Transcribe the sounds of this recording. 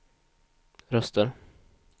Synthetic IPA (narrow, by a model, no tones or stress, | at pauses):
ɾœst̪ʰəɾ